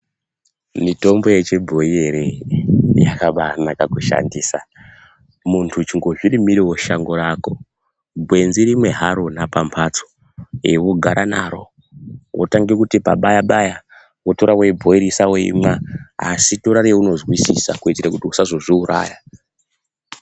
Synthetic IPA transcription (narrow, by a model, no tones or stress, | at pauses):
mito̞mbo̞jet͡ʃebʱo̞jeɾe | ja̰kaɓanakakuʃa̰ndiːsa | muntʰut͡ʃiŋɡo̞ʐirimiɾewo̞ʃaŋɡo̞ɾako̞ | bʱwe̞nziɾimwe̞ɦaɾo̞napampʰat͡so̥ | ewoɡʱaɾʔanaːɾo̞̰ | wʔo̰taŋɡekutipa̰ɓajaɓaja | woto̞ɾawebʱoiɾisawoḭmaasitoɾaɾiuno̞zɣwisḭsa̰kuitiɾakutiusazoʐiuɾʔa̰ːja